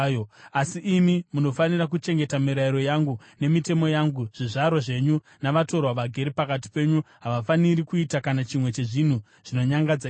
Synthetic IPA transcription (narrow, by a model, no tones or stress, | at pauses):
joasiʔːmimuno̞fanirak̬ut͡ʃe̞ŋɡe̞tamiɾaiɾo̞jaŋɡu | ne̞mite̞mo̞jaŋɡuʐ̥iʐaɾwoʐe̞ɲu | naʋato̞rwaʋaɡʱe̞ɾipakat̬i̥pe̞ɲuɦaʋafaniɾikuitakanat͡ʃimwe̞t͡ʃe̞ʐin̤u | ʐ̥ino̞ɲaŋɡad͡za